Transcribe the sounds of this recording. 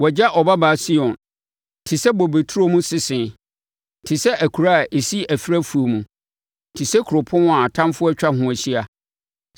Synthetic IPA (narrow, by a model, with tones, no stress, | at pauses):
wɔ˨d͡ʑa˦ʔɔ˨ba˦baː˨si˦ɔ̃˨n | tʰɪ˨sɛ˦bɔ˨be˨tʰu˦ɾo˦mũ˦sɪ˦sɪ̃˨ | tʰɪ˨sɛ˦ʔæ˨kʰu˨ɾa˦˨ʔe˨si˦æ˨fi˦ɾæ˦fu˨o˨mũ˨ | tʰɪ˨sɛ˦kʰʊ˨ɾʊ˨pʰʊ̃˦a˨tʰã˦mfʊ˦ɔ˦t͡ɕᶣa˦hʊ̃˦æ˨ɕi˦a˨